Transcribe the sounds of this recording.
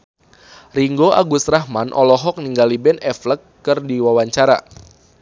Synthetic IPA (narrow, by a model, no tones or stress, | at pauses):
riŋɡoʔaɡusrahmanʔɔlɔɦɔk̚niŋɡalibɛnɛfləkː | ɨrdiwawaɲt͡ʃaɾa̰